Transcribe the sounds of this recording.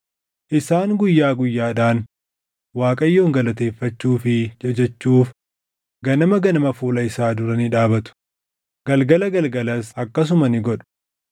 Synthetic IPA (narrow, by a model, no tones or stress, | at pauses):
ʔɪsaːŋɡʊjːaːɡʊjːaːᶑaːn | waːkʼɐjːo̞ːŋɡɐlɐt̪e̞ːfːɐt͡ʃːuːfɪɛd͡ʒɛt͡ʃːuːf | ɡɐnɐmɐɡɐnɐmɐfuːlɐɪsaːd̪ʊɾɐnɪᶑaːbɐt̪ʊ̥ | ɡ̥ɐlɡɐlɐɡɐlɡɐlɐsɐkːɐs̬ʊmɐnɪɡɔᶑʊ̥